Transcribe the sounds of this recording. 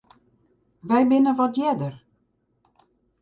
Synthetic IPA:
ʋɛjbɪnəʋɔtjɛdər

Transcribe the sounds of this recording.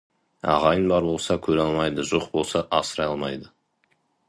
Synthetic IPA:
ɑ̰ʁɑjənbɑɾbo̞lˠsɑkʲʰɵɾɑlˠmɑjd̪əʒo̞qbo̞lˠsɑʔɑsəɾɑjɑlˠmɑjd̪ə

